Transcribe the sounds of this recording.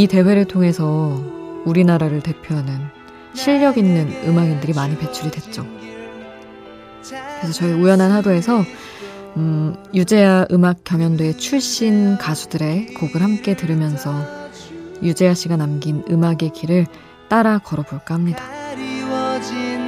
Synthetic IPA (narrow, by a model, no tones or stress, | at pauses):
ite̞we̞ɾɯɭtʰoŋe̞sʰʌ | uɾinaɾaɾɯɭte̞pʰjoɦanɯn | ɕʰiʎːʌɡinːɯnɯmaɡindɯɾimaɲipe̞t͡ɕʰuɾidwe̞t̚t͡ɕ͈o | kɯɾesʰʌt͡ɕʌiujʌnanɦadoe̞sʰʌ | jud͡ʑe̞aʔɯmak̚k͈jʌŋjʌndoe̞t͡ɕʰuɭɕ͈inkasʰudɯɾe̞koɡɯɭhamk͈e̞tɯɾɯmjʌnsʰʌ | jud͡ʑe̞aɕ͈iɡanamɡinɯmaɡe̞kiɾɯɭ | t͈aɾakʌɾʌpoɭk͈ahamɲida